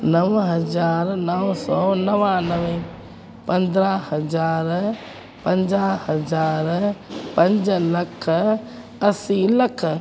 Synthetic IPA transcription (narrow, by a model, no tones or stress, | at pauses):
nɐʋɦɐd͡ʒaːɾnəʋsɔːnɐʋãnɐʋẽ | pɐ̃nd̪ɾahɐd͡ʒaːɾ | pɐ̃ɲd͡ʒahɐd͡ʒaːɾpɐ̃ɲd͡ʒlɐkʰ | ɐsilɐkʰ